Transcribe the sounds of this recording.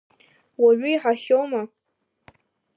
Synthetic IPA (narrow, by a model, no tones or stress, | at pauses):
waɥʏiħaχʲowma